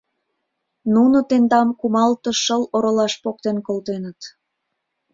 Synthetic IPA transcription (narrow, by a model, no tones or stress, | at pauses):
nunot̪end̪ɑmkumɑlt̪ə̆ʃəloɾolɑʃpok̚t̪enkolt̪enət̪